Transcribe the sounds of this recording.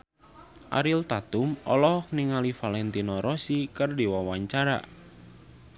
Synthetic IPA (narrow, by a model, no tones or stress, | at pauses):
ʔa̰ɾilt̪at̪umɔ̰lɔɦɔk̚niŋalifalɛnt̪inɔɾɔsikɨrdiwawaɲt͡ʃaɾa̰